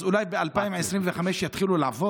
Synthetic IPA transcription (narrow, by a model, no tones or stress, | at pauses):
zʔulajbeʔalpaimʕesɾinveχameʃjat̪χilulaʕvo